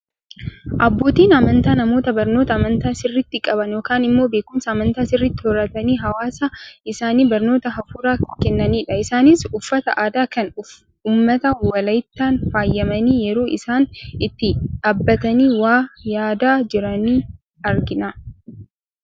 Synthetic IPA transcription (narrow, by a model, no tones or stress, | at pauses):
ʔɐbːo̞ːt̪iːnɐmɐnt̪aːnɐmo̞ːt̪ɐbɐɾnoːt̪ɐːmɐnt̪aːsɪrːɪt̪ːɪkʼɐbɐnjo̞ːkaːnɪmːo̞ːbeːkʊmsɐːmɐnt̪aːsɪrːɪt̪ːɪhɔɾɐt̪ɐniːɦɐwaːsɐɪsaːniːbɐɾno̞ːt̪ɐɦɐfuːɾaːkɛnːɐniːᶑɐɪsaːniːsʊfːɐt̪ɐʔaːd̪aːkɐnʊf | uːmːɐt̪ɐwɐlɐjt̪ːaːnfaːjːɐmɐniːjɛɾo̞ːʔɪsaːnɪt̪ːɪᶑaːbːɐt̪ɐniːwaːjaːd̪aːd͡ʒɪɾɐniː | ɐɾɡɪnɐ